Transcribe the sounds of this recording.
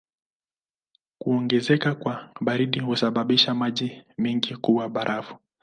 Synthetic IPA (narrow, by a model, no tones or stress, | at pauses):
kuɔŋɡɛzɛkakwaɓaɾiɗihusaɓaɓiʃamaʄimɛŋɡikuwaɓaɾʔavu̥